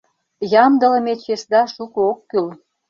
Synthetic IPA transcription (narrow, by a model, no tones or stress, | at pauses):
jɑmd̪ə̆lə̆met͡ɕesd̪ɑʃukookːyl